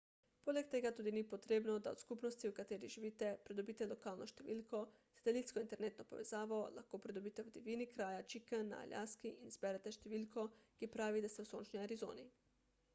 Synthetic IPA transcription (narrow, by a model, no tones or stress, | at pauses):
poːlɛk̚t̪eːɡat̪uːd̪inipot̪ɾeːbnɔd̪ao̰t̪skupnɔst̪iwkat̪eːɾiʒiʋiːt̪ɛpɾɛd̪obiːt̪ɛlɔkaːlnʔɔʃt̪ɛʋḭːlkɔ | sḁt̪ɛliːt̪skɔint̪ɛɾneːt̪nɔpɔʋɛz̥aːʋɔla̰xkoːpɾɛd̪obiːt̪ɛwd̪ɛʋiːnikɾaːjat͡ʃikənːa̰a̰lʲja̰ːskiʔinzbɛɾɛt̪ɛʃt̪ɛʋiːlkɔkipɾaːʋid̪ast̪ɛwsoːnt͡ʃniaɾizo̰ːni